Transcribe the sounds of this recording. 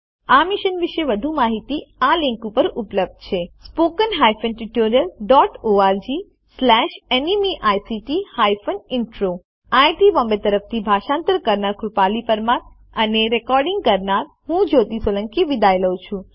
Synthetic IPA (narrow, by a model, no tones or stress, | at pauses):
amiʃənʋiʃeʋəd̪ʱumaɦit̪ialĩŋkupəɾupləb̚d̪̚t͡ʃʰespokənɦajfənʈiʈoɾijəlɖɔʈoaɾd͡ʒi | slɛʃenimiʔajsiʈihajfənɪɳʈɾo | ajʈiʋɔmbet̪əɾəft̪ʰibʱaʃãnt̪əɾkəɾnaɾkɾupalipəɾmãt̪ | əneɾekɔɾɖĩŋɡ̚kəɾnaɾ | ɦũd͡ʒot̪isələŋkiʋid̪ajləwt͡ʃʰũ